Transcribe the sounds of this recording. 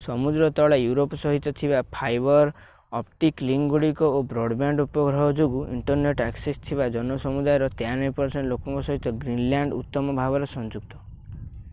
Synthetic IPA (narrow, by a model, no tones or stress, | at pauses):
sɔmud̪ɾɔt̪ɔɭajuɾopɔsɔɦit̪ːɔt̪ʰibapʰajbɔɾ | ɔpʈikliŋɡuɽikɔobɾɔɖbaɳɖupɔɡɾɔɦɔd͡ʒoɡuḭɳʈɔɾneʈaksist̪ʰiβad͡ʒɔnɔsɔmud̪ajɔɾɔt̪eanɔjpɔɾseɳʈlokɔ̃ŋkɔsɔɦit̪ːɔɡɾinljaɳɖut̪ːɔmɔbʱabɔɾɔsɔnd͡ʒuk̚t̪ɔ